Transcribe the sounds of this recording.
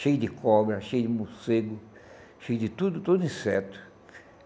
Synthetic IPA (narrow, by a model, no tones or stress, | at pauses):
ʃejʊd̪ɪkʰɔbɾɐʃejʊd̪ɪmoseɡʊ | ʃejʊd̪ɪt̪ud̪ʊt̪od̪ʊĩsɛt̪ʊ̥